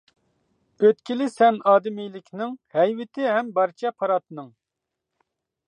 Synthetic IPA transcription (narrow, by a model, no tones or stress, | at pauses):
øt̪̚kʲilɪsɛnɑːd̪ɪmijlɪkʲnɪŋhɛjwɪt̪ʰɪɦɛmbɑɾt͡ʃʰɛpʰɑɾɑt̪nɨŋ